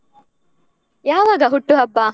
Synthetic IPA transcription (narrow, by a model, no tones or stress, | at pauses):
jaːʋaːɡɐɦuʈːuɦɐbːaː